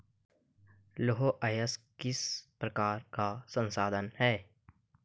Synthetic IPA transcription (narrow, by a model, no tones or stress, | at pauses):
loɦoʔajəskɪspɾəkaːɾkasə̃nsaːd̪ʱənhɛː